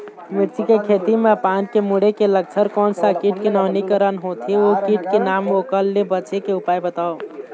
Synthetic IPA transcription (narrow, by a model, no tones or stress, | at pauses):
mɪɾt͡ʃikekʰet̪imẽpaːnkemuɽekelək̚t͡ʃʰəɾkɔːnsakiʈkenaːnikəɾənɦot̪ʰiokiʈkenaːmoːkəlːebət͡ʃekeʊpaːibət̪aːo